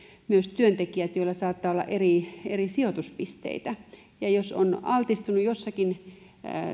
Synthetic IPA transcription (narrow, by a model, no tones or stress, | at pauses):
myøst̪yønt̪ekiæt̪joilːɑsɑːt̪ːɑːolːɑ̰ʔerierisiot̪uspist̪ḛit̪æ | jɑjoso̰nɑlt̪ist̪unujosːɑkin